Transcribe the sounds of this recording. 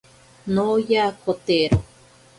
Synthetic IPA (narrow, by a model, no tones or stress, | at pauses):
nojakʰot̪eɾo